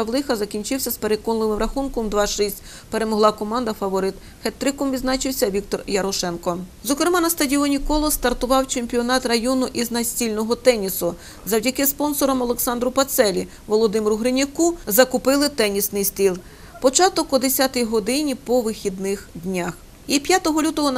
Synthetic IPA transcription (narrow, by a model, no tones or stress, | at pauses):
ɐwlˠɪxɐzɐkʲinʲt͡ʃɪwsʲɐspe̞ɾekɔnlˠɪmɪmɾɐxunkɔmd̪ʋɑʃisʲtʲ | pe̞ɾemɔɦlˠɑkɔmɑnd̪ɐfɐʋɔɾɪt̪ | xɛt̪ɾɪkɔmʋʲid̪znɑt͡ʃɪwsʲɐʋʲik̚t̪ɔrjɐɾɔʃɛnkɔzɔkɾemɑnɐst̪ɐdʲiɔnʲikɔlˠɔst̪ɐrt̪ʊʋɑwt͡ʃemʲpʲiɔnɑt̪rɐjɔnʊʔiznɐsʲtʲilʲnɔɦɔt̪ɛnʲisʊ | zɐwdʲɐkɪspɔnsɔɾɔmɔlˠeksɑnd̪ɾʊpɐt̪sɛlʲi | ʋɔlˠɔd̪ɪmɾʊɦɾɪnʲɪkuzɐkʊpɪlˠɪt̪ɛnʲisnɪjsʲt̪ʲilˠ | pɔt͡ʃɑt̪ɔkɔd̪esʲat̪ɪjɦɔd̪ɪnʲipɔʋɪxʲid̪nɪxd̪ʲnʲax | ipʲjat̪ɔɦɔlʲut̪ɔɦɔ